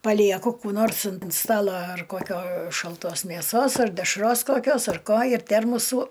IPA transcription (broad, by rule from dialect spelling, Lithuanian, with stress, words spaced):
pɐˈlʲiɛkʊ ˈkuː noːrs ɐnt ˈstɑːlˠɐ ɐr koːˈkʲoː ʃɐlˠˈtoːs mʲeːˈsoːs ɐr dʲɛʃˈroːs koːˈkʲoːs ɐr ˈkoː ɪr ˈtʲɛrmʊsuː